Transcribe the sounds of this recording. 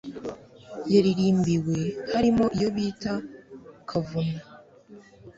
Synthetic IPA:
jaɾiɾiːmbiwe̞haɾimo̞ʔijo̞βiːtakʰavuna

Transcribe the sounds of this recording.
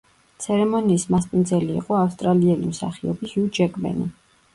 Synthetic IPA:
t̪sʰɛɾɛmɔniːsmaspʼind̪zɛlḭːqʼɔafst̪ʼɾaliɛlḭmsa̰χiɔbihud͡ʒɛkʼmɛ̰nḭ

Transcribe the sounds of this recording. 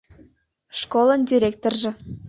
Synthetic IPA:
ʃkoləndʲiɾʲek̚t̪orʒĕ

